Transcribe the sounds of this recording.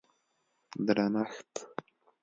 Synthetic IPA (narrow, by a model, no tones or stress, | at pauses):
d̪ɾanaxt